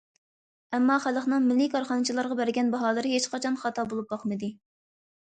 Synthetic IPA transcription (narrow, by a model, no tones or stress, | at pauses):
ɛmːɑχæləχnɨŋmɪlːɪkʰɑɾχɑnɨt͡ʃʰilˠɑɾʁɑbæɾɡʲɛnbɑɦɑːlˠɨɾɨɦet͡ʃqʰɑt͡ʃʰɑnχɑt̪ʰɑbolˠup̚bɑχmɨd̪ɨ